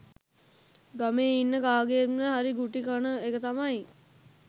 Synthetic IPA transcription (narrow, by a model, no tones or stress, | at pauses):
ɡameːinːəɡaːɡeet̪məɦaɾiɡuʈikanəekət̪amaj